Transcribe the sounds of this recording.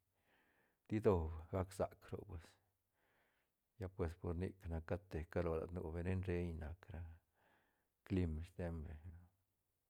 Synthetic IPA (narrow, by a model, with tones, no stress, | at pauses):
d̪̥i˦d̪o˧bɡa˦ksa˨kɾo̰˨pwe˨s | ja˦pwe˨spo˨ɾnḭ˧kna˨kːa˦t̪e˨ka˦lo˨la̰˨d̪nṵ˧be˧ne˦nɾe˧ɲna˨kɾa˧ | kli˧m˧st̪e˦mbe˨˧